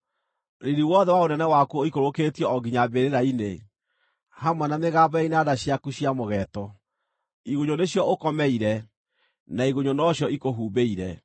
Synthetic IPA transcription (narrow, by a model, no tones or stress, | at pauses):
ɾiɾiwɔðɛwaonɛnɛwakuoikoɾoketiɔɔɡiɲabeɾeɾaine | hamwanameɣaːbaeinadaɕjakuɕiamoɣɛtɔ | iɣoɲoneɕjɔokɔmɛiɾɛ | naiɣoɲonɔɕjɔikoɦuːbeiɾɛ